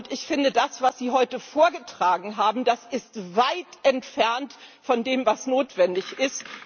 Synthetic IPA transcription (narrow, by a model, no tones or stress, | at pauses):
ʊntɪçfɪndədasv̥asz̥iːɦɔʏtəfoːɐɡətʁ̥aːɡŋ̩ɦaːbm̩dasɪstvaɪtʔɛntfɛɐntfɔndeːmvasnoːtv̥ɛndɪçɪst